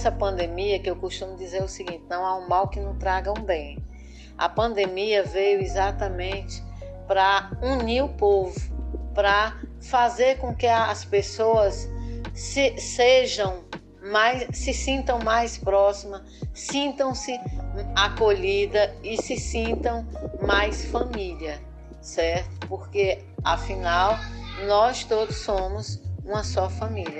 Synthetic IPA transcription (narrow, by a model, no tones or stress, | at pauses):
ɛsɐpɐ̃nd̪emiɐkɪewkoʃt̪ũmʊd͡ʒizeɾʊsiɡĩnt͡ʃɪnɐ̃w̃aũmawkɪnɐ̃w̃t̪ɾaɡɐũbẽj̃ | ɐ̰pɐ̃nd̪emiɐvejʊizat̪ɐmẽnt͡ʃɪ̥ | pɾɐuniʊpovʊpɾɐ | fazeɾkõkɪɐspesoɐs | seʒɐ̃w̃ | majsːɪsĩnt̪ɐ̃w̃majspɾɔsimɐ | sĩnt̪ɐ̃w̃sɪakoʎid̪ɐɪsɪsĩnt̪ɐ̃w̃majsfɐmiʎiɐ | sɛɾt̪ʊ̥poɾke | afĩnawnɔst̪od̪ʊsːõmʊzũmɐsɔfɐmilɐ